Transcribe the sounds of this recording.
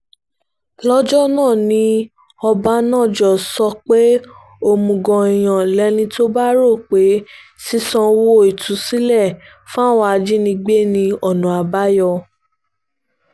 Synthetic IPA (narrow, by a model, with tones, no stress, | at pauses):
lɔ˦d͡ʒɔ˦nãː˦˨nĩ˧˦ | ɔ˧ba˧˦nãː˦˨d͡ʒɔ˨sɔ˧k͡pe˦ | o˧mũ˧˨ɡɔ̃˧i˨j̃ã˨lɛ˨˦nĩ˧to˦ba˦ɾo˦˨k͡pe˨˦si˦sɔ̃˧wo˦˨i˨tũ˨˦si˦lɛ˦˨ | fũ˦a˦wa˧a˧d͡ʒi˦nĩ˧ɡ͡be˦nĩ˧ɔ˦˨nũ˨˦a˧ba˦jɔ˧